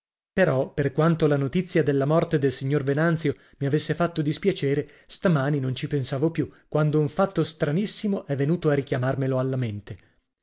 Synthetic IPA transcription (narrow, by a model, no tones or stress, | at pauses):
peɾɔperkwant̪olanot̪it̪sːjad̪elːamɔrt̪ed̪elsiɲːorvenant̪sjo | miavesːefat̪ːod̪ispjat͡ʃeːɾe | st̪amaːninont͡ʃipensaːvopjukːwand̪ouɱfat̪ːost̪ɾanisːimoʔɛvːenuːt̪oarikjamarmeloalːament̪e